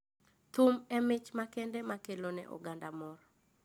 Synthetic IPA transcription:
t̪ʊmɛmɪt͡ʃmakɛndɛmakelonɛ̰ʔɔ̰ɡandamɔɾ

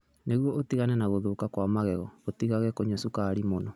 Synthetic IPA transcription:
neɣwɔotiɣanɛnaɣoðokakwamaɣɛɣɔotiɣaɣɛkoɲasukaɾimonɔ

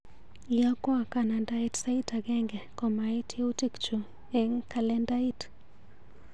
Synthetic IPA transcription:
ijakwakanandaitsaitaɡɛŋɡɛkɔmaitʰutikt͡ʃu | ɛŋkalɛndait

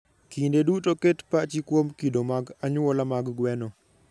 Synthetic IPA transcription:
kindedutoketpat͡ʃikwomkidomaɡaɲʊwɔlamaɡɡwɛnɔ

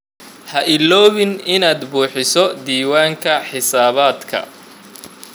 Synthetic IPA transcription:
hɐʔɪlɔːβɪnɪnaːd̪buːħɪsɔd̪iːwaːŋkʰɐħɪsaːβaːd̪kʰɐ̰

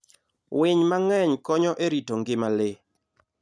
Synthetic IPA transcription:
wɪɲmaŋɛɲkɔɲɔʔeɾitoŋɡɪmalɪ

